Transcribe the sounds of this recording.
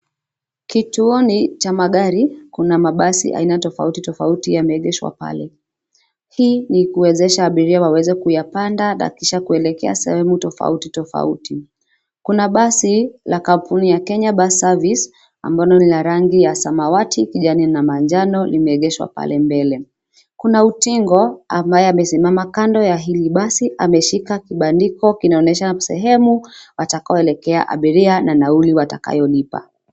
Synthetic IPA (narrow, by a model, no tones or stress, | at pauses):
kituɔnit͡ʃamaɠaɾikunamaɓasḭʔa̰inatɔfa̰utitɔfautijamɛɛɠɛʃwa̰pa̰lɛ | hiːnikuwɛzɛʃaːɓiɾiawawɛzɛkujapandana̰kiʃakuɛlɛkɛa̰sɛ̰hɛmutɔfa̰utitɔfa̰uti | kunaɓasilakampunijakɛɲaɓasavis | a̰mbalɔnilaɾaŋɡijasamawatikiʄaninamand͡ʒanɔlimɛɛɠɛʃwa̰pa̰lɛmbɛlɛ | kunautiŋɡɔambajɛamɛsimamakandɔjaɦiliɓasiʔamɛʃikakiɓandikɔkinaɔnɛʃasɛ̰ɦɛmuwatakaɔɛlɛkɛa̰ʔa̰ɓiɾiananauliwataka̰jɔlipa̰